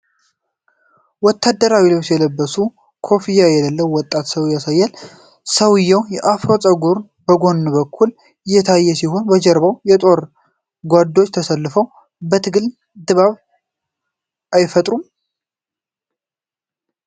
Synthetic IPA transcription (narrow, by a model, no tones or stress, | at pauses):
wɔt̪ʰːad̪ːəɾawilot͡ʃːjɛləbːəsu | kʰo̞fijajɛləlːəwwɔt̪ʼːat̪səwjasajːɛl | səwɨjːɛwjɛʔafɾo̞t͡sʼəɡuɾ | bəɡo̞nːbəkʰːul | ɪjːɛt̪ʰajːɛsiɦo̞nbəd͡ʒɛɾbawjɛt̪ʼo̞ɾ | ɡʷad̪o̞t͡ʃːt̪ʰəsəlːɨfəw | bət̪ʰɨɡɨl | d̪ɨβaβ | ʔajfət̪ʼɾum